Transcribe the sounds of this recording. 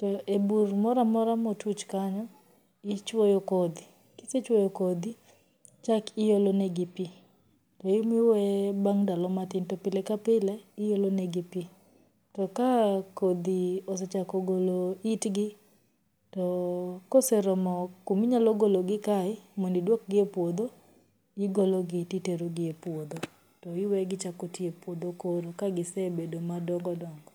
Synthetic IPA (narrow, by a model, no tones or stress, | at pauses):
tɔeburmɔɾamɔɾamotut͡ʃkaɲɔ | ɪt͡ʃwojɔkod̪i | kɪset͡ʃwojɔkod̪i | t͡ʃakɪjolonɛɡipi | tɔɪmɪwɛbaŋdalɔmatɪntɔpɪlɛkapɪlɛɪjolonɛɡipi | tɔkakod̪iosɛt͡ʃakɔɡoloitɡɪ | tɔkosɛɾɔmɔkumiɲalɔɡoloɡɪkaɪmondidwɔk̚ɡɪepwod̪o | ɪɡoloɡɪtiteɾoɡɪepwod̪o | tɔɪwɛɡɪt͡ʃakotiepwod̪okoɾokaɡɪsɛbedomadɔŋɡɔdɔŋɡɔ